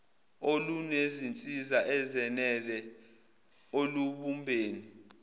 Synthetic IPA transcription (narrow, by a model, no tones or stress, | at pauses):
olunezint͡sʼizaʔɛzɛnɛlɛ | oluɓumbʱeːni